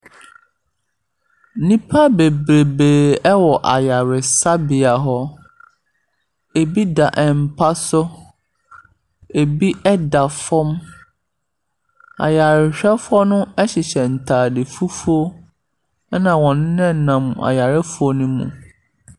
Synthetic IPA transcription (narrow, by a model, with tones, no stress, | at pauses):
nĩ˦pʰa˦be˨bɾe˨beː˨ɛ˦wɔ˨ʔa˨ja˨ɾɪ˨sa˦bɪ˨a˨ɦɔ˦ | e˨bi˦da˨ʔɛ˨m̩˨pʰa˦sʊ˦ | e˨bi˦ɛ˦da˨fɔ˦m | a̰˨ja˨ɾɪ˨ɕᶣɛ˦fɔ˦nʊ̃˦ɛ˦ɕɪ˨ɕɛ˨n̩˨tʰaː˨dɪ˨fu˦fu˦o˦ | ɛ˦nã˨wɔ̃˨nʊ̃˦nɛ̃˦˨nã˨m˨a̰˨ja˨ɾɪ˦fʊ˦ɔ˦nũ˦mṵ̃˨